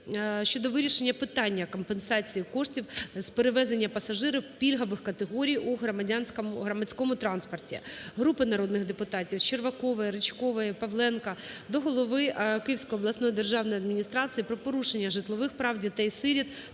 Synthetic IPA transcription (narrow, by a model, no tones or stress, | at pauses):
ʃt͡ʃɔd̪ɔʋɪɾʲiʃenʲːɐpɪt̪ɑnʲːɐkɔmpensɑt͡sʲijikɔʂtʲiwspeɾɪʋɛzenʲːɐpɐsɐʒɪɾɪwpʲilʲɦɐʋɪxkɐt̪eɦɔɾʲijuɦɾɔmɐdʲanʲsʲkmɦɾɐmɐt͡sʲkɔmʊt̪ɾɑnspɔrtʲḭɦɾupɪnɐɾɔd̪nɪɣd̪epʊt̪ɑtʲiwt͡ʃerʋɐkɔʋɐjɾet͡ʃkɔʋɐjɛpɐʋlˠɛnkɐd̪ɔɦɔlˠɔʋɪkɪjiwsʲkɔjɔblˠɐsnɔjid̪erʒɑwnɔjɐd̪mʲinʲist̪ɾɑt͡sʲijipɾɔpɔɾuʃenʲːɐʒɪt̪lˠɔʋɪxpɾɑwdʲit̪ɐisɪɾʲit̪